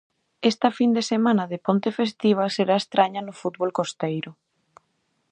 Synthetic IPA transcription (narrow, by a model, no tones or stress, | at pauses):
est̪ɐfind̪esemanɐðepont̪efest̪iβ̞ɐseɾaest̪ɾaɲɐnʊfut̪̚βolkost̪ejɾʊ